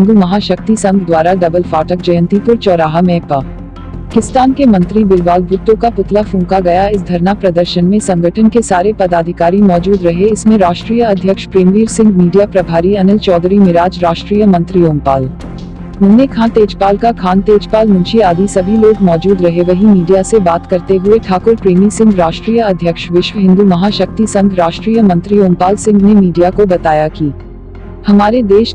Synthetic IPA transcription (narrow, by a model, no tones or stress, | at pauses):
ɐ̃ŋɡumɐɦaːʃɐk̚t̪isɐ̃ŋɡd̪waːɾaɖɐbəlfaːʈəkd͡ʒɐjə̃nt̪ipʊɾt͡ʃɔːɾaːɦəmɛːpaː | kɪst̪aːnkemɐ̃nt̪ɾibɪɾʋaːlbuːt̪ːõkapʊt̪lafũːkaɡɐjaɪs̬d̪ʱɐɾnapɾɐd̪əɾʃənmẽsɐ̃ŋɡʱəʈʰənkesaːɾepɐd̪aːd̪ʱɪkaːɾimɔːd͡ʒuːd̪ɾɐɦeɪsmẽɾaːʃʈɾiːjəɐd̪ʱjəkʃpɾeːmʋiːɾsɪ̃ŋɡmiːɖijapɾɐbʱaːɾiɐnɪlt͡ʃɔːd̪ɾimɪɾaːd͡ʒɾaːʃʈɾiːjəmɐ̃nt̪ɾijoːmpaːl | mʊ̃nekʰãːnt̪eːd͡ʒpaːlkakʰaːnt̪eːd͡ʒpaːlmʊ̃nʃiaːd̪isɐbʱiloːɡmɔːd͡ʒuːd̪ɾɐɦeʋɐɦĩmiːɖijasebaːt̪kɐɾt̪eɦʊeʈʰaːkʊɾpɾeːmisɪ̃ŋɡɾaːʃʈɾijəɐd̪ʱjəkʃʋɪʃʋɦɪ̃nd̪umɐɦaːʃɐk̚t̪isɐ̃nd̪ɾaːʃʈɾiːjəmɐ̃nt̪ɾijoːŋpaːlsɪ̃ŋɡnemiːɖijakobɐt̪aːjakiː | hɐmaːɾed̪eːʃ